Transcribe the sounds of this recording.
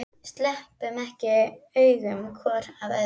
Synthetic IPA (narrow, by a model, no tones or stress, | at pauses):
st̪lɛhpʏmɛhcɪœːɥɣʏmkʰvɔɾaðɛ